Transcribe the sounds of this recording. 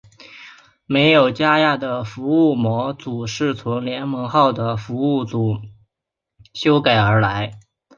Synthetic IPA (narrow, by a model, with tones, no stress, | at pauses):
me˧˥ɪjo˨˩ʊt͡ɕja˥ja˥˩d̪ə˩fu˧˥u˥˩mwɔ˧˥t͡su˨˩ʂɻ̩˥˩t͡sʰʊ˧˥ŋljɛ˧˥nmɤ˧˥ŋxɑ˥˩ʊd̪ə˩fu˧˥u˥˩t͡su˨˩˦ | ɕjo˥ʊka˨˩ɪə˞˧˥la˧˥ɪ